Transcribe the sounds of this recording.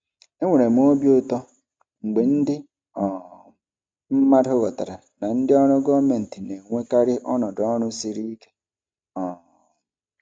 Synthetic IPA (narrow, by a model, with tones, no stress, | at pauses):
e˦ŋʷe˨ɾe˨m̩˦o˦bjʊ˦tɔ˦ | ŋ͡m̩˨ɡ͡be˨n̩˦dɪ˦ | ɔ˨ | m̩˦ma˦ɾʊ˦ɣɔ˨ta˨ɾa˨ | na˨n̩˦dɪ˦ɔ˦ɾʊ˦ɡɔ˦me˨n̩˨ti˨ne˨ŋʷe˦ka˦ɾɪ˦ʔɔ˦nɔ˨dɔ˦ɾʊ˦si˦ɾi˦ke̥˦ | ɔ˨